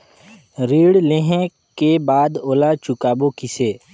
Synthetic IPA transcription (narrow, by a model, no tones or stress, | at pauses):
ɾiːɽleɦẽ | kebaːd̪oːlat͡ʃʊkaːbokɪseː